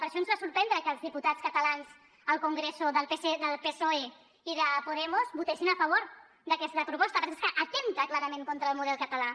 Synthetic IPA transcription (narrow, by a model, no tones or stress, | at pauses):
pəɾʃɔnzβasuɾpɾɛnd̪ɾəkəːlˠzðiput̪at͡skət̪əlanz | əlˠkuŋɡɾesuðəlˠpeseðəlˠpesoe | iðəpuðɛmuzbut̪eʃinəfəβ̞oɾ | d̪əkɛst̪əpɾupɔst̪əpəɾseskəʔɐt̪emt̪əklaɾəmẽŋkont̪ɾəlˠmuðɛlˠkət̪əla